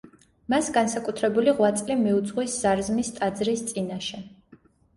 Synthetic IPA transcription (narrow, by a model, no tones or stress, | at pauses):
masɡansakʼut̪ʰɾɛbuliʁwat̪sʼlimiud̪zʼʁwisz̥aɾzmist̪ʼad̪zɾist̪sʼinaʃɛ